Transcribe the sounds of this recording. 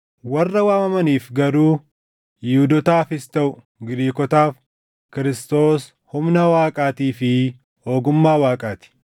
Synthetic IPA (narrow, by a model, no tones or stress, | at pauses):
wɐrːɐwaːmɐmɐniːfɡɐɾuː | jɪhʊd̪ɔt̪aːfɪst̪ɐʔʊ | ɡɪɾiːkɔt̪aːf | kɪɾɪst̪o̞ːs | hʊmnɐwaːkʼaːt̪iːfɪ | ho̞ːɡʊmːaːwaːkʼaːt̪ɪ̥